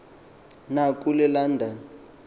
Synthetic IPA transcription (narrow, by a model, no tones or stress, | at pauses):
nakʼulɛlandʱan